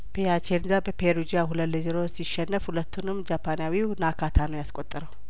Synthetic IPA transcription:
pʰejat͡ʃeɾzabəpʰeɾud͡ʒijaɦuləleziɾosiʃːɛnːəfhulət̪ːunɨmːd͡ʒapʰanjawinakʰat̪ʰanəwjaskʼot̪ʼːəɾəw

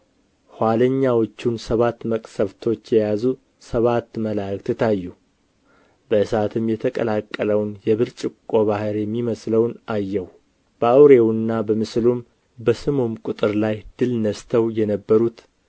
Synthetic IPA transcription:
hwaləɲːawot͡ʃːunsəβat̪ːməkʼsəβt̪ʰo̞t͡ʃːjɛjazu | səβat̪ːməlakt̪ɨt̪ʰajːu | bəɨsat̪ʰɨmjɛt̪ʰəkʼə̰lakʼːələwnjɛβɨɾt͡ʃʼɪkʼːoβahɨɾjɛmːiməsləwnajːɛw | b̥əawɾewnːabəmɨslum | bəsɨmomkʼʊt̪ʼɨɾlajd̪̥ɨlnəst̪ʰəwjɛnəbːəɾut̪

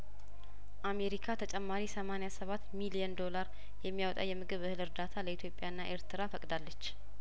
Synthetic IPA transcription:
ʔame̞ɾikʰat̪ʰət͡ʃʼɛmːaɾisəmanejasəβat̪ːmilijənd̪o̞laɾ | jɛmːijawt̪ʼa̰jɛmɨɡɨβɨhɨlɨɾd̪at̪ʰaləit̪ʰjo̞pʼːjaɨnːaʔe̞ɾt̪ʰɨɾafəkʼd̪alːət͡ʃː

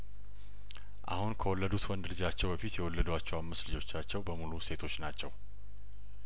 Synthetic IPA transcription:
ʔa̰hunkʰəwɔlːəd̪ut̪wɔnd̪lɨd͡ʒat͡ʃːɛwbəfit̪jɛwɔlːəd̪at͡ʃːɛwamːəslɨd͡ʒo̞t͡ʃːat͡ʃːɛwbəmuluse̞t̪ʰo̞t͡ʃːnat͡ʃːɛw

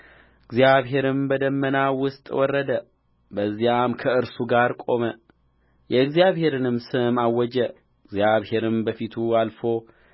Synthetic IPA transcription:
ɨɡzijaβɦe̞ɾɨmbəd̪əmːənawʊst̪ʼwɔrːəd̪ə | bəzːijamkʰəɨɾsuɡaɾkʼo̞mə | jɛɨɡzijaβhe̞ɾɨnɨmsɨmawːɔd͡ʒɛ | ɨɡzjaβhe̞ɾɨmbəfit̪ʰualfo̞

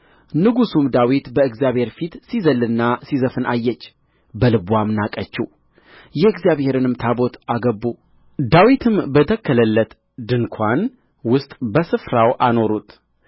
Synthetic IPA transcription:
nɨɡusumd̪awit̪bəɨɡzijaβhe̞ɾfit̪sizəlːɨnːasizəfɨnʔajːɛt͡ʃː | bəlɨbwamɨnakʼət͡ʃːu | jɛɨɡzjaβhe̞ɾɨnɨmt̪ʰabo̞t̪ʰaɡəbːu | d̪awit̪ʰɨmbət̪ʰəkʰːələlːət̪ | d̪ɨŋkʰʷan | wʊst̪ʼbəsɨfɾawʔano̞ɾut̪

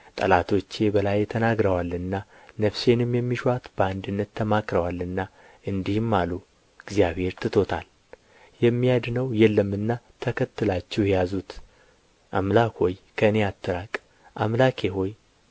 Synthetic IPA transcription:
t̪ʼəlat̪ʰo̞t͡ʃːe̞bəlajt̪ʰənaɡɾəwalɨnːa | nəfse̞nɨmjɛmːiʃat̪bəand̪ɨnːət̪ʰːəmakɾəwalɨnːa | ɨnd̪ihmːalu | ɡzijaβhe̞ɾt̪ʰɨt̪ʰo̞t̪ʰa̰l | jɛmːijad̪nəwjɛlːəmɨnːat̪ʰəkʰət̪ʰːɨlat͡ʃːɛwjɛjazut̪ | ʔamlakho̞jkʰəɨneat̪ʰːɨɾakʼ | ʔamlakʰeɦo̞j

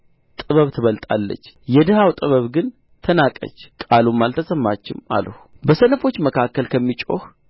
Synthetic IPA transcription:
t̪ʼɨβəβt̪ʰɨβəlt̪ʼa̰lːə̰t͡ʃːjɛd̪əhawt̪ʼɨβəβɡɨn | t̪ʰənakʼə̰t͡ʃːkʼalumːalt̪ʰəsəmːat͡ʃːɪma̰ləhubəsənəfo̞t͡ʃːməkʰakːəlkʰəmːit͡ʃʼo̞h

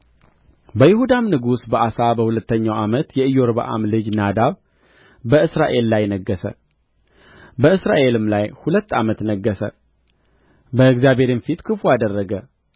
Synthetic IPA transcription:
bəjɪhud̪amnɨɡusbəʔasabəhulət̪ːəɲːawamət̪jɛɨjːoɾbə̰ʔa̰mlɨd͡ʒnad̪aβ | bəɨsɾaʔe̞lːajnəɡːəsə̰ | bəɨsɾaʔe̞lɨmlajhulət̪ːamət̪nəɡːəsə̰ | bəɨɡzjabe̞ɾɪnfit̪kʰɨfuad̪ərːəɡə

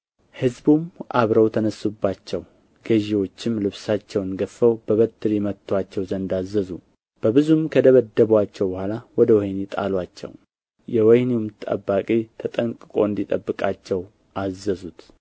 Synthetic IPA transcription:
hɨzbumʔa̰βɾəwt̪ʰənəsːubːat͡ʃːɛw | ɡ̥əʒiwo̞t͡ʃːɪmlɨβsat͡ʃːɛwɨnɡəfəwbəβət̪ʰːɨɾimət̪ʰːwat͡ʃːɛwzənd̪azːəzu | b̥əbɨzumkʰəd̪əβəd̪ːəβwat͡ʃːɛwbəhʷalawɔd̪əwɔjnet̪ʼa̰lwat͡ʃːɛ̰w | jɛwɔjniumt̪ʼə̰bːakʼit̪ʰət̪ʼəŋkʼɨkʼo̞ɨnd̪it̪ʼəbːɨkʼat͡ʃːɛw | ʔazːəzut̪

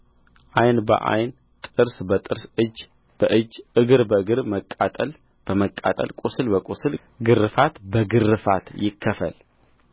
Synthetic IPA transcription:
ʔajnbə̰ʔa̰jn | t̪ʼɨɾsbət̪ʼɨɾsɨd͡ʒ | b̥əʔɨd͡ʒʔɨɡɨɾbəɨɡɨɾməkʼːat̪ʼəl | b̥əməkʼːa̰t̪ʼə̰lkʼusɨlbəkʼusɨl | ɡɨrːɨfat̪bəɡɨrːɨfa̰t̪jɪkʰːəfə̰l

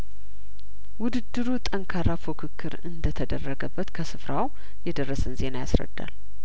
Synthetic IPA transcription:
wʊd̪ɨd̪ːɨɾut̪ʼəŋkʰaɾafokʰɨkʰːɨɾɨnd̪ət̪ʰəd̪ərːəɡəbːət̪kʰəsɨfɾaw | jɛd̪ərːəsɨnze̞najasɾə̰d̪ːa̰l

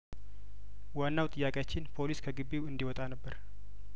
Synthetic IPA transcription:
wanːawt̪ʼɨjːakʼjat͡ʃːɪnpʰo̞liskʰəɡɨbːiwɨnd̪iwɔt̪ʼanəbːəɾ

